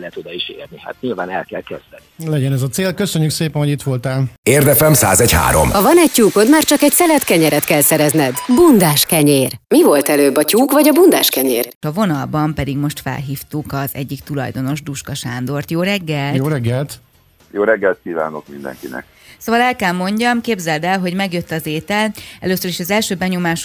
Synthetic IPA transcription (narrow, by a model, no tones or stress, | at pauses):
lɛɛt̪od̪ɒiʃḛːrniha̰t̪̚ɲiːlvaːnɛlkɛlkøzlɛnilɛɟɛnɛzɒt̪seːlkøsøɲːykseːpɛnɦoɟit̪ʋo̞lt̪aːleːrd̪ɛfɛmsa̰ːzɛcha̰ːɾo̞̰mɒvɒnɛc̚cuːkot̪maːrt͡ʃɒkɛcsɛlɛt̪kɛɲɛɾɛt̪kɛlsɛɾɛznɛd̪bund̪aːʃkɛɲeːrmivo̞lt̪ɛløːbɒcuːkvɒɟɒbund̪a̰ːʃkɛɲeːrɒvo̞nɒlbɒmpɛd̪iɡmo̞ʃt̪fɛ̰lɦiːft̪ukɒzɛ̰ɟːikt̪ulɒ̰jd̪o̞no̞ʒd̪uʃkɒʃaːnd̪o̞rt̪joːɾɛɡːɛltjoɾɛɡːɛlt̪ | joːɾɛɡːɛlt̪̚kiːva̰ːnokmind̪ɛ̰ŋkinɛ̰k | soːvɒlɛlkɛlmo̞ɲɟɒmkeːbzɛld̪ɛlɦo̞ɟmɛɡjøt̪ːɒzeːt̪ɛlɛløːsøɾiʃɒzɛlʃøːbɛɲo̞maːʃ